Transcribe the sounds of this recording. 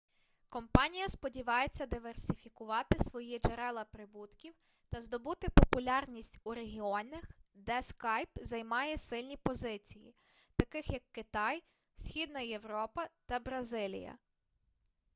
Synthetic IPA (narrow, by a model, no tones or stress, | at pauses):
kɔmpɑnʲijɐspɔdʲiʋɑjet͡sʲːɐd̪ɪʋersʲɪfʲikʊʋɑt̪ɪsʋɔjid͡ʒeɾɛlˠɐpɾɪbut̪kʲiw | t̪ɐzd̪ɔbut̪ɪpɔpʊlʲɑrnʲisʲtʲuɾeɦʲiɔnʲɐxd̪ɛskɑjpzɐjmɑjɛsɪlʲnʲipɔzɪt͡sʲijḭ | t̪ɐkɪxjɐkːɪt̪ɑj | sʲxʲid̪nɐjeʋɾɔpɐt̪ɐbɾɐzɪlʲḭjɐ̰